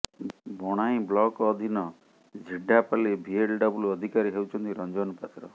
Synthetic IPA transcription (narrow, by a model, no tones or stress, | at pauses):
bɔɽ̃aĩblɔkːd̪ʱinɔ | d͡ʒʱiɖʱapalebʱielɖɔbuluɔd̪ʱikaɾiɦewt͡ʃʰɔnt̪iɾɔnd͡ʒɔnpat̪ɾɔ̰